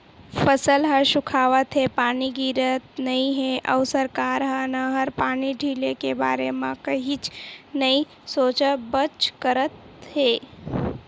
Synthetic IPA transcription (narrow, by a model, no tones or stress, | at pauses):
pʰəsəlɦəʃʊkʰaːʋət̪ɦepaːniɡiːɾət̪nɐĩɦeʔəʊsəɾkaːɾɦənəɦəɾpaːniɖʱiːlekeba̰ːɾemãkəɦit͡ʃnɐĩ | soːt͡ʃəbət͡ʃkəɾət̪ | ɦeː